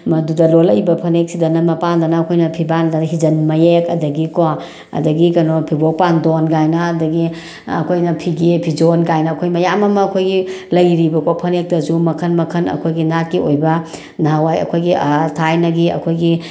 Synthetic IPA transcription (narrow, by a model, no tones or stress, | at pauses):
mɐdudɐlolɐjbɐpʰɐnek̚sidɐnɐmɐpandɐnɐːkʰojnɐpʰibandɐnɦid͡ʒɐnmɐjekɐdɐɡikɔ | ɐ̰dɐɡikɐnopʰibopandonɡajnɐːdɐɡi | ɐ̰kʰojnɐpʰiɡepʰid͡ʒonkajnɐːkʰojmɐjamɐmɐːkʰojɡilɐjɾibɐkopʰɐnek̚tɐsumɐkʰɐnmɐkʰɐnɐ̰kʰojɡinakːiojbɐ | naawajɐ̰kʰojɡiatʰajnɐɡiɐ̰kʰojɡi